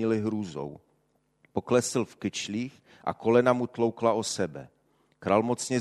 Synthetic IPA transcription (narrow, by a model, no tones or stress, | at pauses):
ɪlɪɦɾuːzo̰w | po̞klɛsɪlfkɪt͡ʃliːx | ʔa̰ko̞lɛnamut̪lowklaosɛbɛ̰ | kɾaːlmot͡sɲɛ